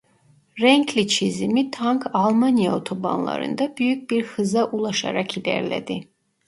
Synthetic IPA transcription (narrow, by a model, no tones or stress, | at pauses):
ɾɛŋkʰlit͡ʃʰizmit̪ʰaŋkʰalˠmanijaɔt̪ʰɔba̰nlˠa̰ɾɨ̰nd̪abyjyk̚ʲbiɾxɨzaʔulˠaʃa̰ɾakʰilɛ̰ɾlɛ̰d̪i